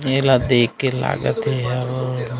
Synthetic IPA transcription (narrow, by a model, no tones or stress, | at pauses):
elad̪eːkːela̰ːɡət̪ɦeɦɛʋ